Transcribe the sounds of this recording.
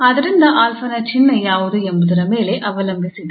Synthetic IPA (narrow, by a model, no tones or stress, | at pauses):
ɐðɐɾɪnd̪ɐʔaːlfɐnɐt͡ʃɪnːɐjaːʋɐðɯɛmbɐðɐɾɐmeːleʔɐʋɐlɐmbisiðɯ